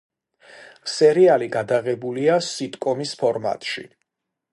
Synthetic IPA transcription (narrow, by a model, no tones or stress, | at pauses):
sɛɾialiɡad̪aɣɛbuliasit̪ʼkʼɔmispʰɔɾma̰t̪ʼʃḭ